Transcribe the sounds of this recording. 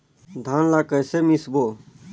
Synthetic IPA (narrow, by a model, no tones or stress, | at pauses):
d̪ʱaːnlaːkəjsemisboː